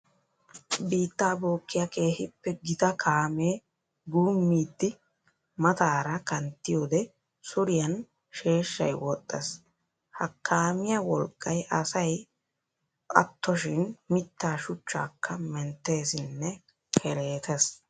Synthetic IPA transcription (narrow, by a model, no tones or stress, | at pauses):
biːt̪ːaːbo̞ːkːɪjɐkʰʼe̞ːhɪpːɛɡɪt̪ɐkʰaːme̞ː | ɡuːmːiːd̪ːɪ | mɐt̪aːɾɐkɐnt̪ːɪjoːd̪ɛ | sʊɾɪjɐn | ʃe̞ːʃːɐ̰jwɔt̪ʼːɛs | hɐkʰːaːmɪjɐwɔlkʼːɐjʔɐsɐj | ɐ̰t̪ʰːɔʃɪnmɪt̪ːaːʃʊt͡ʃːa̰ːkʰːɐmɛnt̪ːe̞ːsɪnːɛ | kʰɛɾe̞ːt̪ʰɛs